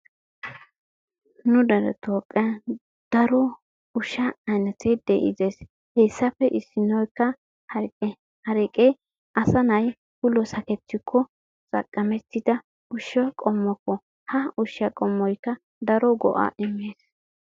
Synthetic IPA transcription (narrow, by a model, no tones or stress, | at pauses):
nʊd̪ɐɾɛ̰t̪ʰoːkʼːɛ | d̪̥ɐɾɔ | ʊʃɐɐnɐt̪ed̪ɛʔɪ̰zeːs | hesːɐfɛʔɪsːɪnɔjkːɐ | hɐɾʼɛ | hɐɾɛkʼɛj | ɐsɐnɐj | hʊlɔsɐkɛt̪ːɪkʰːɔ | t͡sʼɐ̰kʼːɐmɛt̪ːɪd̪ɐ | ʔʊʃɐkʼɔmːɔkːɔ | hɐʊʃɐkʼɔmːɔjkːɐ | d̪ɐɾɔɡɔ̰ʔa̰ʔɪmːeːs